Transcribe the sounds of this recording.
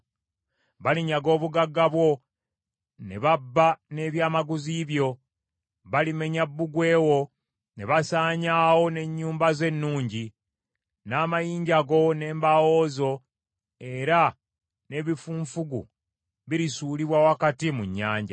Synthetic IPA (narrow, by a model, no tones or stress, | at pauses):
βaliɲaɡo̞ːβuɡaɡːaβwo̞ | neβabːane̞βjaːmaɡuziβjo̞ | βalime̞ɲabːuɡwe̞ːwo̞ | ne̞βasaːɲaːho̞ne̞ɲːuːmbaze̞nːuːɲɟi | naːmajiːɲɟaɡo̞ne̞ːmbawo̞ːzo̞ | e̞ɾa | ne̞βifuːɱfuɡṵ | βiɾisuːliβwawakatimuɲːaːɲɟa̰